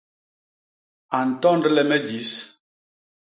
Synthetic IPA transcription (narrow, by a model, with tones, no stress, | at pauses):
a˨n̩˨tɔ˦n˦dɛ˦lɛ˦mɛ˦d͡ʒi˨˦s